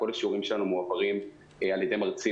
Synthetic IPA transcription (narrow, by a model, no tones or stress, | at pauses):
ko̞laʃuʁimʃelanumuapaʁim | aljede̞jmaʁt͡si